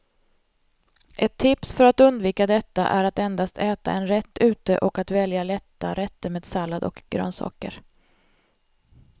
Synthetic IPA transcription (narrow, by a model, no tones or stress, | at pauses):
ʔɛt̪ʰːɪpsfœɾat̪ɵnd̪viːkad̪ɛt̪ːa̰ʔæɾat̪ɛnd̪ast̪ʰɛːt̪a̰ʔɛnɾɛt̪ʰːʉ̟ːt̪əʔɔkat̪vɛljalɛt̪ːa̰ɾɛt̪ːəmeːd̪salːad̪ɔ̰kɡ̥ɾœ̰ːnsɑ̰ːkə̰ɾ